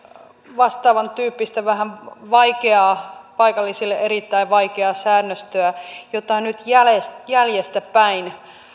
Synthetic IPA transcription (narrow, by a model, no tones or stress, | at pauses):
ʋɑst̪ɑːʋɑnt̪yːpːist̪æʋæɦænʋɑikeɑːpɑikɑlːisilːeʔeɾit̪ːæiʋʋɑikeɑsæːnːøst̪øæjot̪ɑnyt̪jælesjæljest̪æpæin